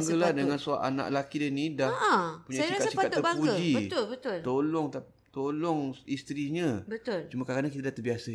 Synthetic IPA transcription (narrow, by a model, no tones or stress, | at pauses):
ŋɡəladəŋansua̰ʔa̰na̰ʔlakidənĩdahpuɲaiakatsikat̪əbapuəd͡ʒibət̪ʊlbət̪ʊlt̪olɔŋt̪a | t̪olɔŋist̪ɾiɲãbət̪ʊlt͡ʃumakakadaŋkit̪adaht̪əbiasa